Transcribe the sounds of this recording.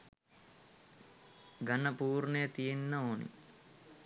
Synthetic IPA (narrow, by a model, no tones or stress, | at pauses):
ɡɐnəpuːɾnɐjət̪ijenːəoːnḭ